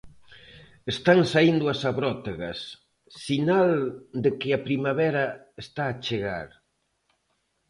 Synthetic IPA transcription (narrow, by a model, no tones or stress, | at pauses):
est̪aŋsaind̪ʊasaβɾɔt̪eɣɐsː | inald̪ekɪapɾimaβɛɾɐ | est̪aːt͡ʃeɣa̰ɾ